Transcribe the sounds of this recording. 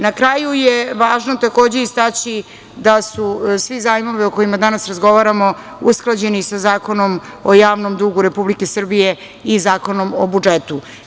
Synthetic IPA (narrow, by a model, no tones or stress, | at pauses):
nakɾaːjujeʋaːʒno̞t̪ako̞ːd͡ʑe̞ist̪at͡ɕi | d̪asusʋizaːjimo̞ʋio̞ko̞imad̪anasɾazɡo̞ʋaɾamo̞ | usklˠad͡ʑe̞nisazaːko̞no̞mojaːʋno̞md̪uɡuɾe̞publike̞sr̩bije̞ | izaːko̞no̞mobud͡ʒet̪u